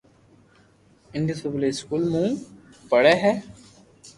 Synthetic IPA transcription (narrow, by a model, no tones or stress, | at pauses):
ɪnɖisuʋliskuːlmũː | pəɽeɦɛː